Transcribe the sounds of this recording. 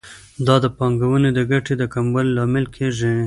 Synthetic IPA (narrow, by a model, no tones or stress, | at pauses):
d̪ɑd̪əpɑŋɡawəned̪əɡaʈed̪əkambəlːɑmɪlkʰeʐi